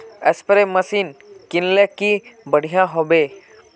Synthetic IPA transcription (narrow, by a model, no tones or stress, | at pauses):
əspəɾeməsiːnkɪnlekibəɽ̤ijãɦobe